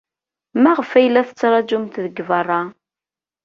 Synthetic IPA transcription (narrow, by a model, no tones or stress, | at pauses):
mæʁəfæjlːæθə̥t͡sːɾˤɑd͡ʒumt̪ðəɡːəvərˤːɑ